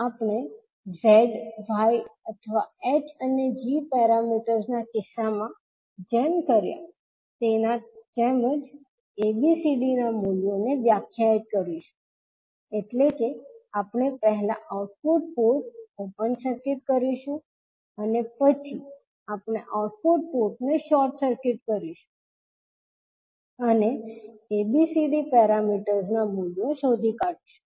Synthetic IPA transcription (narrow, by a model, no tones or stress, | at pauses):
apɳ̃e | zeɖʋajət̪ʰəʋaet͡ʃəned͡ʒipɛɾamiʈəɾznakɪsːamã | d͡ʒemkəɾja̰ | t̪enat̪eməd͡ʒ | ebisiɖinamuljoneʋjakʰjait̪̚kəɾiʃũ̥ | eʈlekeapɳ̃epɛɦɛla̰ʔauʈ̚puʈ̚poɾʈ̚opənsəɾkɪʈ̚kəɾiʃũ | ənepət͡ʃʰi | apɽ̃eʔauʈ̚puʈ̚poɾʈneʃɔɾʈsəɾkɪʈkəɾiʃu̥ | əneebisiɖipɛɾamiʈəɾznamuljoʃod̪ʱikaɽiʃũ̥